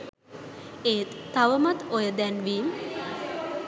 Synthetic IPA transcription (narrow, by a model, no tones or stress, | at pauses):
eːt̪ːaʋəmat̪ojəd̪ɛnʋiːm